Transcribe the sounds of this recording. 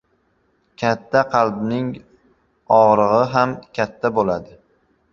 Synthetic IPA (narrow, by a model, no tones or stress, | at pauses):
kʲʰat̪ʰːaqʰɑlbnɪŋ | ɒʁɾɨʁɨɦamkʲʰat̪ʰːabolad̪ɪ